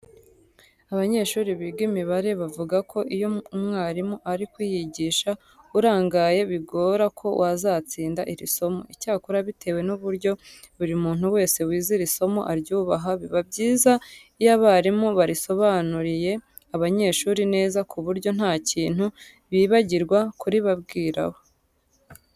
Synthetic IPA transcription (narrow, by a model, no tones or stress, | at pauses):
aβaɲe̞ːʃuːɾiβiɡimiβaɾe̞βavuɡakʰo̞ʔijo̞mŋaːɾimuʔaɾikwiːjiɟiːʃa | uɾaːŋɡaje̞βiɡo̞ːɾakʰo̞̰wʔazaːt͡siːndaʔiɾiso̞mo̞̰icaːkuɾaβitʰe̞we̞nuβuɾɟo̞ | uɾimuːn̥uwe̞ːse̞wiːziɾiso̞mo̞̰ʔaɾɟuːβaɦaβiβabɟiːzaijaβaːɾimuβaɾiso̞βanuɾije̞ | aβaɲe̞ːʃuːɾine̞ːzakʰuβuɾɟo̞n̥haːciːn̥hu | βiːβaɟiɾɡwakuɾiβabɡiːɾa̰ho̞